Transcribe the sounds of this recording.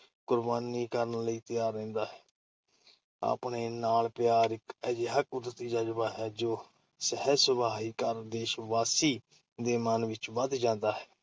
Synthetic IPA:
kʊɾbaːniːkəɾənləiːt̪ɪjaːɾːɛ̃ːnd̪aːɦɛː | a̰ːpɳeːnaːlpɪjaːɾɪkɛːd͡ʒeɦəkʊd̪ət̪iːd͡ʒaːd͡ʒəbaːɦɛːd͡ʒoː | səɦɛsəbʱaːɦiːkəɾd̪eːʃʋaːsiː | d̪eːmənʋɪt͡ʃbəd̪d͡ʒãːnd̪aːɦɛː

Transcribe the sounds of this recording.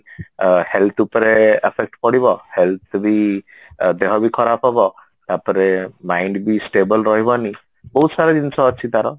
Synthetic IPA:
helt̪ʰupɔɾeepʰek̚ʈpɔɽiβɔhelt̪ʰbi | d̪eɦɔbikʰɔɾapʰɔbɔ | t̪aɾpɔɾemajɳɖbisʈebɔlɾɔɦibɔni | bɔɦut̪saɾɔd̪insɔːt͡ʃʰit̪aɾɔ

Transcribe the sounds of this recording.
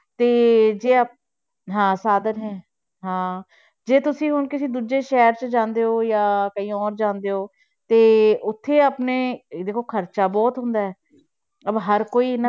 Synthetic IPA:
t̪eːd͡ʒeːə | ɦãːsaːd̪ənɦɛ̃ː | ɦãː | d͡ʒeːt̪ʊsĩːɦʊnkɪsĩːd̪uːd͡ʒeːʃɛːɾt͡ʃəd͡ʒãːnd̪eːɦoːjaːkəĩːɔːɾd͡ʒãːnd̪eːoː | t̪eːʔʊt̪ʰːeːəpneːd̪eːkʰoːkʰəɾt͡ʃaːbɔːt̪ɦʊ̃nd̪aːɛː | əbɦəɾkoːiːn

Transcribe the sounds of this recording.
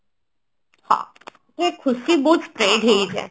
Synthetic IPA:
hã̰ː | t̪oekxʰʊsibuːt̪spɾeːɖɦeid͡ʒɦɛ̰ː

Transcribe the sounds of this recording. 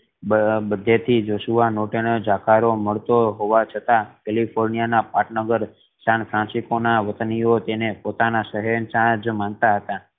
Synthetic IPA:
əbəd̪ʱːet̪ʰid͡ʒoʃuʋanoʈeɽ̃d͡ʒakʰaɾoməɭt̪oɦoʋat͡ʃʰət̪akɛlipʰoɾnijanapaʈnəɡəɾ | sanfʰɾãsikonaʋət̪nijot̪enepot̪anaʃəɦɛnt͡ʃãd͡ʒmant̪aɦət̪a

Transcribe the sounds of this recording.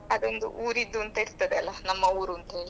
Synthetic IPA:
ɐd̪ond̪ṵʔuːɾid̪ːuɐnt̪ɐiɽst̪ɐd̪eɐlːɐnɐmːɐuːɾuɐnt̪ɐɦeːɭi

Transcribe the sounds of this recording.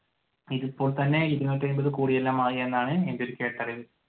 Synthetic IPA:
iðipːoːɭt̪ɐnːe̞ɾiðinoːtːɐnbɐðɨkuːɽijelːaːmaːɣienːaːɳɨe̞nd̪o̞ɾukʲːeːʈːɐriʋɨ

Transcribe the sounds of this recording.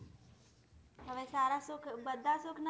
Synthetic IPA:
ɦəʋesaɾasokʰbəd̪ʱːasokʰna

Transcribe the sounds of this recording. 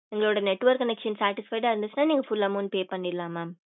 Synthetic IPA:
ɛŋɡɐɭoːɽɐnɛʈːʋɐɾkːɐnɛkʂɐnsaːɾʈɪsfɐɪʈaːɪɾnd̪ɯt͡ʃːnaːniːŋɡɐfʊlɐmoːnpeːpɐɳːɪɾlãːmaːm

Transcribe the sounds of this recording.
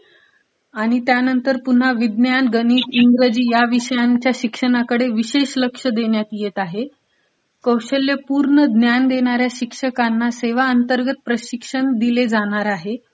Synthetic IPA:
aɽ̃it̪janənt̪əɾpun̤aʋid̪njanɡəniːt̪iŋɡɾəd͡ʑiːjaʋiɕəjaɲt͡ɕjaɕikʂəɳ̃akəɽeʋiɕeɕləkʂəd̪eɳjat̪jet̪aɦe | kəwɕəljəpuɾɳəd̪njand̪eɽ̃aɾjaɕikʂəkanːaseʋaənt̪əɾɡət̪̚pɾəɕikʂəɳd̪iled͡zaɽ̃aɾaɦe

